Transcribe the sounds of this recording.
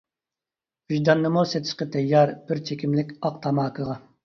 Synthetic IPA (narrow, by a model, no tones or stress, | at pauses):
yʒd̪ɑnːɨmuset̪ʰɪʃqət̪ʰɛjɑɾb̥ɪɾt͡ʃʰekʲimlɪkʲɑq̚t̪ʰɑmɑːkʰəʁɑ